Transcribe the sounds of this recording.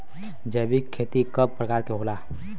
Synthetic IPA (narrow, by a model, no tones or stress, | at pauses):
d͡ʒəbikʰːet̪ikəb̚pɾəkaːɾkeɦola